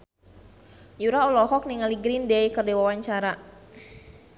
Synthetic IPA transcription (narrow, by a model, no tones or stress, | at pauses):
juɾaɔlɔɦɔk̚niŋaliɡɾindɛjkərdewawaɲt͡ʃaɾa